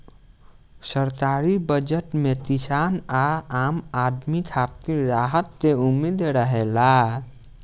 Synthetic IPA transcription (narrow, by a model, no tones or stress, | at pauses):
səɾt̪aɾibəd͡ʒəʈmet̪isanaamad̪mit̪ʰap̚t̪iɾaɦət̪ːeumid̪ɾəɦela